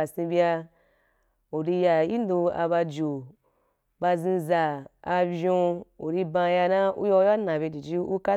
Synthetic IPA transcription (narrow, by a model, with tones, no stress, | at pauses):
a˨sĩ˧bi˧a˧ | u˨ɾi˧ja˧ji˦n˦do˧a̰˧ba˧d͡ʒo˨ | ba˧zĩ˧zaː˨˧vʲo˧u˨ɾi˧bã˧ja˧na˦ṵ˦jɔ˧˦ja˦nã˨be˧di˨d͡ʒi˦u˦ka˦